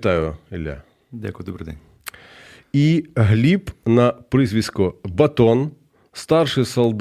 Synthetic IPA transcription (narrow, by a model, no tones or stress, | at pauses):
t̪ɑjʊɪlʲːa̰ | dʲa̰kʊjd̪ɔbɾɨd̪ɛ̰nʲ | iɦlʲipnɐpɾɪzʋʲiskʊbɐt̪ɔn | st̪ɑrʂɪsɐlˠd̪